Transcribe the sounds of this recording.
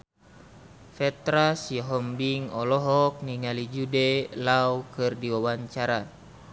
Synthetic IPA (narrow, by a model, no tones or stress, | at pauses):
fɛt̪ɾasjɔɦɔmbiŋɔlɔɦɔk̚niŋalid͡ʒudɛlawkɨrdiwawaɲt͡ʃaɾa